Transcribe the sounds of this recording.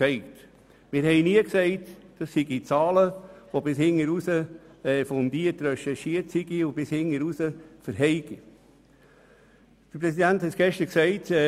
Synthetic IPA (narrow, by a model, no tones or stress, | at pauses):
ɛɪt | mɪːɾhɛɪniəksɛɪtd̥ɑsːiɡit͡sɑːləʋobɪshɪŋəɾusəɛːfɔndiətɾɛʃɛʃiəɾtsiɡiʊb̥ɪshɪŋːəɾusəfəɾɦɛɪɡ̥i | d̥əɾpɾɛsidænthɛtɡ̥ɛʃtəɾksɛɪt